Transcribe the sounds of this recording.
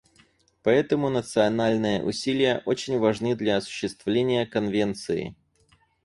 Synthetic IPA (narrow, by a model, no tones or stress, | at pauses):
pɐɛt̪əmʊnət̪sɨɐnalʲnɨjə̰ʔʊsʲilʲɪjəʔot͡ɕɪnʲvɐʐnɨd̪lʲɐɐsʊ̥ɕːɪst̪vlʲenʲɪjəkɐnvʲe̞nt̪sɨɪ̰